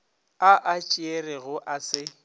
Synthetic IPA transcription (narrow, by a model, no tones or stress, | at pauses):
aʔat͡ʃʼɪerɪɣʊʔasɪ